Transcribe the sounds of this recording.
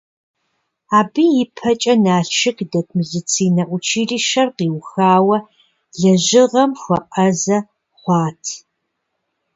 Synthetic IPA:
aːbijɪpʰɐt͡ʃʼɐnaːɬʃɪkdɐtʰmuzɨt͡sʰiːnɐʔʷʊt͡ʃʰiːɮiʃɐrqiːwxaːwɐ | ɮɐʒɪʁɐmxʷɐʔɐzɐ | χʷɑːtʰ

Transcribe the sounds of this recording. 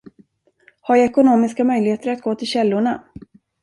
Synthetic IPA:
haɾjaɛkʊnoːmɪskamœjlɪheːt̪əɾat̪̚ɡoːt̪ʰɪlɕɛlːʊɳa

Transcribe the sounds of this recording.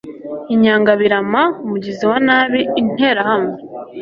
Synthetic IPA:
iɲaːŋɡaβiɾamaumuɟiziwanaːβiːn̥e̞ɾahame

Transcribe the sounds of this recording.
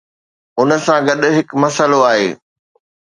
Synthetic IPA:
ʊnə̆sãɡɐɗɦɪkmɐsəloaːɦḛː

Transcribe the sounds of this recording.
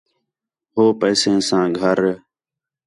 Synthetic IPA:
ɦoːpəːsẽːsãːɡʱəɾ

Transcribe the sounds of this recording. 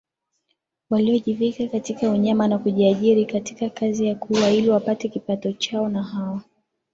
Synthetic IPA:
waliɔʄivikakatikauɲamanakuʄiaʄiɾikatikakazijakuwailiwapatɛkipatɔt͡ʃaɔnaɦawa

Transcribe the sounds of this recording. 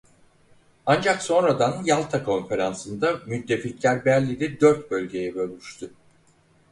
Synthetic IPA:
and͡ʒakso̞nɾad̪anjalˠt̪ʰakʰo̞nfe̞ɾansɯnd̪amyt̪ʰːe̞ficlʲæɾbæɾlʲid̪ɛd̪øɾt̪̚bø̞lʲɟe̞jɛbø̞lʲmyʃt̪ʰy

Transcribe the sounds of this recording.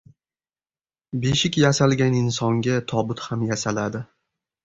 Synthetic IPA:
beʃɪkʲjasalɡʲanɪnsɒŋɡʲat̪ʰɒbʊt̪hamjasalad̪ɪ

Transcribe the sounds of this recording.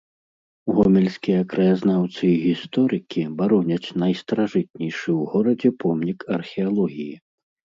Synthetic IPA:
ɣɔmʲɛlʲsʲkʲijɐkɾɐjaznawt̪sɨiɣʲist̪ɔɾɨkʲibaɾɔnʲɐt͡sʲnɐjst̪ɐɾaʐɨt̪̚ʲnʲɛjʂɨwɣɔɾɐd͡zʲɛpʰɔmnʲikɐrxʲɛalˠɔɣʲiji

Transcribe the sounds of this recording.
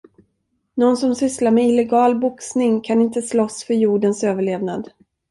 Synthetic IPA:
nɔnsɔmsʏslaɾmɛɪlɛɡɑːlbʊksnɪŋkʰanɪnt̪əslɔsfœɾjuːɖənsøːvəɭeːvnad̪

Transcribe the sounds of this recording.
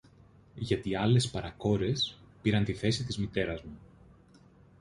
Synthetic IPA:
ʝɐt̪iɐle̞spɐɾɐko̞ɾe̞spiɾɐnt̪iθe̞sit̪izmit̪e̞ɾɐzmu

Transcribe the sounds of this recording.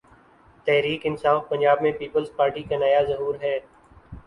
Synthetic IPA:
t̪ɛɦɾiːkɪnsaːfpə̃nd͡ʒaːbmẽpiːpəlzpaːɾʈikanəjazəɦuːɾɦɛː

